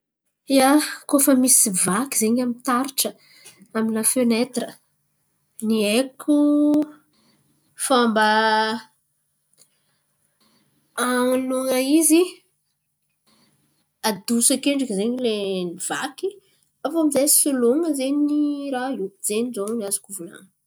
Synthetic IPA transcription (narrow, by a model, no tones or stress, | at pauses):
iakofəmisivakizeɲamint̪aɾiʈ͡ʂə | aminafenet̪rə | niekʰu | famba | aŋluŋəizi | ad̪usakeɳɖ͡ʐakzeɲileniv̥aki | afoamizejsuloŋəzeɲniɾauz̥eɲzoniazukʲuvula̰ŋə